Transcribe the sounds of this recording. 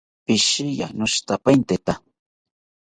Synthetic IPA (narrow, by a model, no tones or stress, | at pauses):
pɪʃɪja̰nʊʃt̪apajnt̪et̪a